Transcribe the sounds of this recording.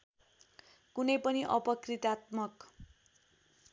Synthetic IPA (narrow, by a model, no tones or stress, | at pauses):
kunʌjpʌniʔʌpʌkrit̪at̪mʌk